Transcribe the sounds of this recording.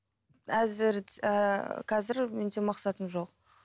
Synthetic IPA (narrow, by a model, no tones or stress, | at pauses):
æzɪɾ | qʰɑzɪɾmend̪emɑqsɑt̪əmʒo̞q